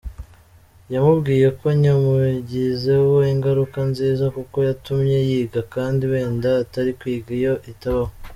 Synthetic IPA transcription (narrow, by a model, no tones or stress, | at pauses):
jamubɡiːje̞ko̞ɲomuɟize̞ho̞iŋɡaɾukanziːzakuko̞jatumɲe̞jiːɡakaːndiwe̞ːndataɾikwiːɡijo̞ʔitaβaho